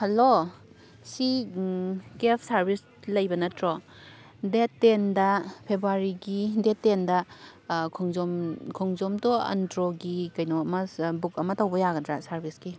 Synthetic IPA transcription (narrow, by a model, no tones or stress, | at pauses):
hɐlo | si | kepʰsɐɾbʱis | lɐjbɐnɐtɾɔ | detːendɐpʰebɾuaɾiɡidetːendɐ | kʰɔŋzɔmkʰɔŋzɔmtoɐ̰ndɾoɡikɐjnɔɐmɐbuk̚ɐmɐtɐwbɐjaɡɐdɾasɐɾbʱiski